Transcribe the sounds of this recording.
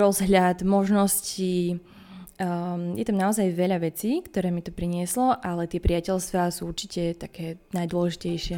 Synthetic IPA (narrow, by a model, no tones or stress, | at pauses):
ɾɔzɦʎad̪mɔʒnɔsci | jɛt̪amnaɔzajʋɛʎaʋɛt͡siːkt̪ɔɾɛːmit̪ɔpɾiɲɪɛslɔʔalɛt̪ɪɛpɾiacɛlst̪ʋasuːuɾt͡ʃicɛt̪akɛːnajd̪ʊɔlɛʒicɛjʃɪɛ